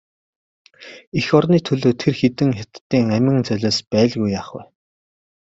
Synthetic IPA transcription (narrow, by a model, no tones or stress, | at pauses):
ixɔrniːt̪ʰɵɮoːt̪ʰerxet̪ɘ̆ŋxat̪ːiːŋæmʲɪ̆ŋt͡sœɮʲɔːspæːɮɣujːaːχwʊ̰ː